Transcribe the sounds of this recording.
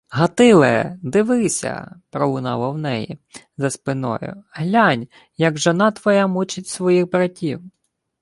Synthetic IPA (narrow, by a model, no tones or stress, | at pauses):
ɦɐt̪ɪlˠɛ̰d̪ɪʋɪsʲɐ̰pɾɔlˠʊnɑ̰lˠɐwnɛjḭzɐspɪnɔ̰jʊ̰ɦlʲanʲ | jɐɡʒɔnɑt̪ʋɔjamut͡ʃɪtʲsʋɔjixbɾɐtʲiw